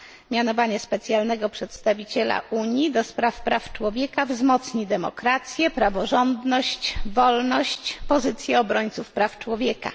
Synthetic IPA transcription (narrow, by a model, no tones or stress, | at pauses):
mʲjanɔvaɲɛspɛt̪sʲjalnɛɡɔpʂɛt̪st̪avʲit͡ɕɛla̰ʔuɲjid̪ɔspɾafpɾaft͡ʂwɔvʲjɛkavzmɔt̪sɲid̪ɛmɔ̰kɾat̪sʲjɛpɾavɔʐɔnd̪nɔɕt͡ɕvɔlnɔɕt͡ɕpɔzɘt̪sʲjɛɔbɾɔɲt̪sufpɾaft͡ʂwɔvʲjɛka̰